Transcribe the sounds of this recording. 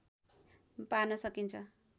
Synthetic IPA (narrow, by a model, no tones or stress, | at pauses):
panʌsʌkint͡sʰʌ